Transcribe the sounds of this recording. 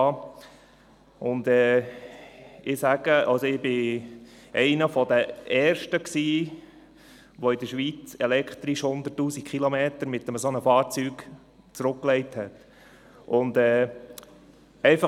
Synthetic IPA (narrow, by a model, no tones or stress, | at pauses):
ʊnd̪ɛː | ɪsæɡ̥əʔɑlsɔɪbɪ | ɛɪnəfɔd̪əʔɛːrʃtəksiː | ʋɔɪd̪əɾʃʋit͡sɛlɛkχt̪ɾiʃhʊnd̪ətːuːsikχilɔmeːtəɾmɪt̪ːəməsonəfɑːɾt͡syːɡ̥ | t͡sɾʊkːlɛɪthɛt̪ | ʔʊnd̪ɛː | ɛɪfɑ